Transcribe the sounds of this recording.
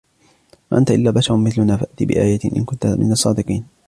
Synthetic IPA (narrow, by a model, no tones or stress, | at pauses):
maʔant̪aʔɪlːaːbaʃɑɾʊmɪθlʊnaːfaʔt̪iːbɪ̰ʔaːjat̪ɪʔɪ̰nkʊnt̪amʔɪ̰nɑsˤːɑːd̪ɪqiːn